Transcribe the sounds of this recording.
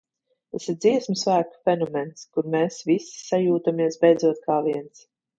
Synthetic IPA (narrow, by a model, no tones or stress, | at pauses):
t̪asiɾd̪ziɛsmisvæːku̥fʲɛnɔmɛnskuɾmeːsvisi̥sajuːt̪amiɛsbɛjd̪zuɔt̪̚kʰaːviɛns